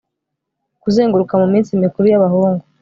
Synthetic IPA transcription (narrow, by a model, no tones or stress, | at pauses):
kuzeːŋɡuɾukamumiːnsimikuɾujaβaɦuːŋɡu